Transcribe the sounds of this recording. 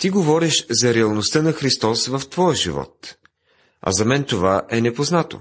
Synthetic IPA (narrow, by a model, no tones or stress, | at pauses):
t̪iɡovɔɾɛʃzɐɾɛɐlˠnost̪ənɐxɾist̪ɔsvɐft̪vɔjəʒḭvɔ̰t̪ | ɐ̰zɐmɛnt̪ovaʔɛnɛpoznat̪o̰